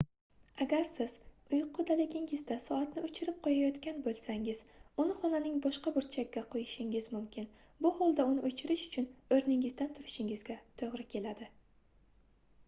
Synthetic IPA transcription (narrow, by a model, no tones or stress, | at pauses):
aɡʲaɾsɪz̥ | ʊjqʰːʊd̪alɪɡʲɪŋɪzd̪asɒat̪nɪʊt͡ʃʰɪɾɪp̚qʰojajɒt̪kʲanbolˠsaŋɪz̥ʊnɪχɒnanɪŋbɒʃqɑbʊɾt͡ʃʰakʲːaqʰojɪʃɪŋɪzmʊmkʲɪn | bʊholˠd̪aʊnɪʔot͡ʃʰɪɾɪʃʊ̥t͡ʃʰʊnɵɾnɪŋɪzd̪ant̪ʰʊɾɪʃɪŋɪzɡʲat̪ʰoʁɾɪkʲʰe̞lad̪ɪ